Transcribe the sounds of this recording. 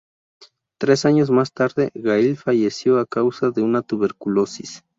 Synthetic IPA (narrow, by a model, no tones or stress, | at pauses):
t̪ɾe̞saɲos̬mast̪aɾðḛɣailfaʝesjoakawsaðeunat̪uβeɾkulosis